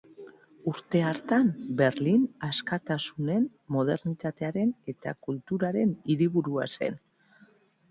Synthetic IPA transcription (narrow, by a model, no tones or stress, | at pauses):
uɾt̪e̞aɾt̪ambe̞ɾlinaskat̪asune̞n | mo̞ð̞e̞ɾnit̪at̪e̞aɾe̞ne̞t̪a̰kult̪uɾaɾe̞niɾiβuɾua̰se̞̰n